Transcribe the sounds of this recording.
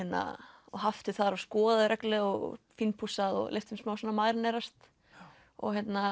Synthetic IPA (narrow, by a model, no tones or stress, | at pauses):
ɛt̪na̰ɔhaft̪ʰɪθaðɾavskɔːðaðɾʔɛklɛɣɔɣ̰finpʰusaðɔ̰ɣleft̪ʰɪmsmaːwsɛnːamaːjɾnɛɾast̪ | ɔ̰ɣçjɛt̪na